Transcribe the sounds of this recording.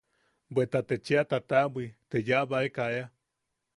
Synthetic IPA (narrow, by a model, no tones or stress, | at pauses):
mbʷet̪at̪et͡ʃeat̪at̪abit̪ed͡ʒaβaekaea